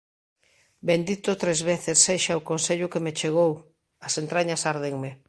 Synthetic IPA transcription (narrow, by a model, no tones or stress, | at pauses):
bend̪it̪ʊt̪ɾezβeθesːeʃaokõnseʎʊkemet͡ʃeɣ̞ow | ɐsent̪ɾaɲasaɾðeŋme